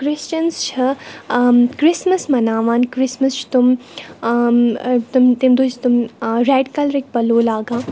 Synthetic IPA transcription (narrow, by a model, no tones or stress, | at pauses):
kɾɪst͡ʃɐnst͡ʃʰɐ | kɾɪsmɐsmɐnaːʋaːnkɾɪsmɐst͡ʃʰi̥t̪um | t̪umt̪imd̪oːt͡ʃʰt̪umɾɛːɖkɐlɾik̚ʲpɐloːlaːɡãː